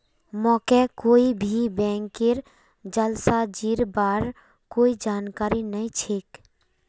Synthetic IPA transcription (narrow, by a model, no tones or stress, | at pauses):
mɔkɛkoːibʱibɛ̃ːŋkeɾ | d͡ʒəlsad͡ʒiɾbaɾ | koːid͡ʒaːnkaːɾinəĩt͡ʃʰeːk